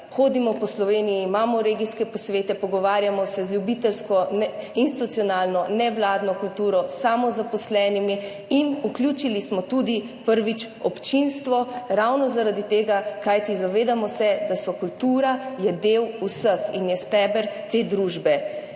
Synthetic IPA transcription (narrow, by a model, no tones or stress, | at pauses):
xoːd̪imɔpɔslɔʋeːnijimaːmɔɾeːɡiskɛpɔsʋeːt̪ɛpɔɡɔʋaːɾjamɔsɛzljubit̪ɛlskɔnɛinst̪it̪ut̪ijɔnalnɔnɛʋlaːd̪nɔkult̪uːɾɔsamɔzapɔslɛːnimi | inuklʲjuːt͡ʃilismɔt̪ud̪i | pəɾʋit͡ʃ | ɔpt͡ʃinst̪ʋɔɾawnɔzaɾad̪it̪eːɡakajt̪izaʋeːd̪amɔsɛd̪asɔkult̪uːɾajɛd̪ewusəxinjɛst̪ɛbəɾt̪eːd̪ɾuːʒbɛ